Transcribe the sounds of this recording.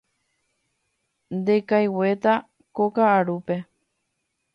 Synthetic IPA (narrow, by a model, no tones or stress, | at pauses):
nd̪ekajwe̞t̪a | kokaːɾupe̞